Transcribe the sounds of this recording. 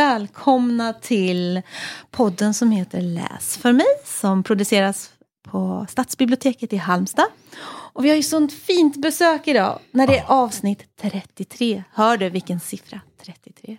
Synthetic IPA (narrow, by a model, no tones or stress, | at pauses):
ɛːlkʰɔmnat̪ʰɪlpʰɔd̪ːənsɔmheːt̪əɾɭɛ̰ːsfœɾmɛjsɔmpʰɾʊd̪ɵseːɾas | pʰɔst̪aːt̪sbɪblɪʊt̪ʰeːkət̪ɪɦalmst̪ɑː | ɔvɪhaɾjɵsɔnt̪fiːnt̪bɛsøːkɪd̪ɑ̰ːnæɖɛæɾʔɑːvsnɪt̪ʰːɾɛt̪ːɪt̪ʰɾeːhœːɖɵvɪlkənsɪfɾat̪ʰɾɛt̪ːɪt̪ʰɾeː